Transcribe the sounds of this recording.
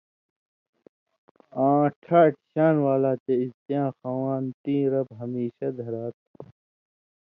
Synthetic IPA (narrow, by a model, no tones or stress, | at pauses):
ãːʈʰaːʈʰɕaːnwaːlaːt͡ɕ̪eist̪jãːxaːwaːnt̪ĩːɾɐbɦɐmiːɕɐd̪ʱɐɾaːt̪̚